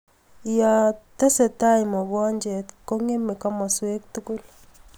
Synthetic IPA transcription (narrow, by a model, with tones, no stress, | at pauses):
ja˨te˦se˨ta˦i˨mɔ˨βɔ˦ɲd͡ʒe˨tko˦ŋe˦me˨ka˦ma˨swe˦k̚tu˦ku˦l